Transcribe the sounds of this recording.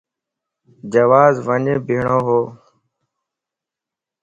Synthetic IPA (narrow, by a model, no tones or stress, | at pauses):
d͡ʒəʋaːzʋəɲẽːbʱiːɳõːɦoː